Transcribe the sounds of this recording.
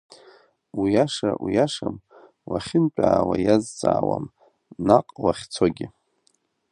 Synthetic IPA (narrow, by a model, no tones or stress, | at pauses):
wijaʂawijaʂam | waχʲɪnt͡pʼaːwajazt͡sʼaːwa̰m | naqʼwaχʲt͡sʰoɡʲɪ